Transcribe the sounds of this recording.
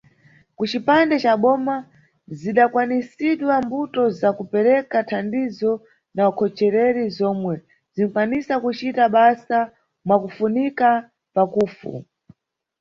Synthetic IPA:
kut͡ʃipandɛt͡ʃaɓɔma | ziɗakwanisiɗwambutɔzakupɛɾɛkatʰandizɔ | naukʰɔt͡ʃɛɾɛɾizɔmwɛ | zin̩fwanisakut͡ʃitaɓasa | mwakufunika | pakuːfṵ

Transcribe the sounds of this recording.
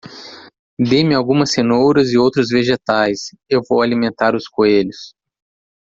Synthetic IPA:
d̪emɪawɡũmɐsenowɾɐzɪowt̪ɾʊzveʒet̪ajs | ewvowalimẽnt̪aɾʊskoeʎʊs

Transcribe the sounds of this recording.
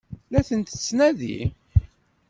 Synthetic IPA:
læθənt̪t͡sːnæðḭ

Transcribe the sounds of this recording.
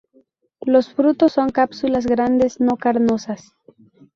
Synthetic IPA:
lo̞sfɾut̪osːo̞ŋkapsulas̬ɣɾand̪e̞sno̞kaɾnosas

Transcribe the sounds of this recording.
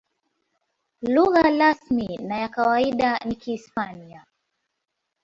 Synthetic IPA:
luɣalasminajakawaiɗan̩kiːspania

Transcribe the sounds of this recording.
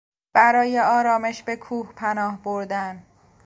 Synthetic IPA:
b̥æɾɒːje̞ɒːɾɒːme̞ʃbe̞kʰuːhpʰænɒːhboɾd̪æn

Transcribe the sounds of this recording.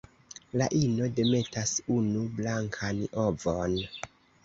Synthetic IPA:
laʔino̞de̞me̞tasunublaŋkʰano̞von

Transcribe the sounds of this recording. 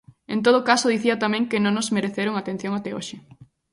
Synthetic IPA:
ẽnt̪̬oð̞okasoðiθiɐt̪amɛ̃ŋkɪnõŋnozmeɾeθeɾoŋat̪en̟θjõŋat̪ɛoʃɪ

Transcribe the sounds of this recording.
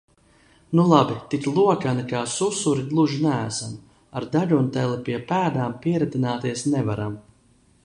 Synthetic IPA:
nulˠabit̪iklˠuɔkanikaːsusuɾiɡ̪lˠuʒinææsam | aɾd̪aʎunt̪ɛlˠipiɛpæːd̪aːmpiɛɾat̪inaːt̪iɛsnɛvaɾam

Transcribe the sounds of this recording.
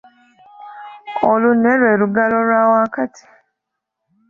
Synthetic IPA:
oluneɾweːɾuɡaloɾwawaːkatʰi̥

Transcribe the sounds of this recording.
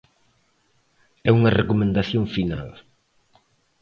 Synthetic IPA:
ɛuŋɐrekomẽnd̪aθjoŋfina̰l

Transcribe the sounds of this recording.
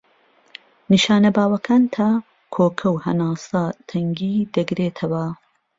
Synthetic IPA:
niʃaːnɐbaːwɐkʰaːnt̪ʰaː | kʰoːkʰɐwhɐnaːsɐt̪ʰɐŋɡiːd̪ɐɡɾeːt̪ʰɐwɐ

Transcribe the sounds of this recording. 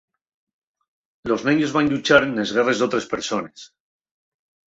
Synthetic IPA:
lo̞zneɲo̞zβanʎut͡ʃaɾene̞zɣere̞zðo̞t̪ɾe̞spe̞ɾso̞ne̞s

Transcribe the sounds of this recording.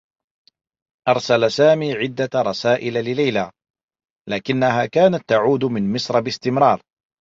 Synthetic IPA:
ʔɑɾˤsalasaːmiːʕɪd̪ːaɾˤɑsaːʔɪllɪlajla | laːkɪnːaɦaːkaːnat̪ːaʕuːd̪mɪnmɪsɾˤɑbɪst̪ɪmɾɑːɾˤ

